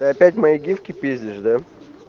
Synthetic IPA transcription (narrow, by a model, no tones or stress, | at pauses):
ɨɐpʲætʲmɐiɡʲifkʲɪpʲezʲdʲɪʂd̪a